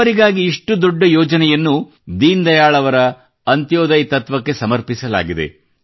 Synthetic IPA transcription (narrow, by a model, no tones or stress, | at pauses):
ɐɾiɡaːɡiiʂʈud̪ɔɖːɐjɔːd͡ʒɐnɛjɐnːu | d̪iːnd̪ɐjaːɭɐʋɐɾɐ | ɐnt̪joːd̪ɐjt̪ɐt̪ʋɐkːe̞sɐmɐɾpisɐla̰ːɡid̪ḛ